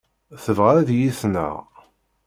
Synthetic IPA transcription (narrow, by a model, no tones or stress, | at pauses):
θəvʁaæðjiθnə̰ʁ